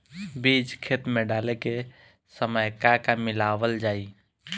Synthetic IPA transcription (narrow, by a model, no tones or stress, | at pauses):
biːd͡ʒkʰet̪mẽɖaːleke | səməjkakamɪlaːwəld͡ʒaːi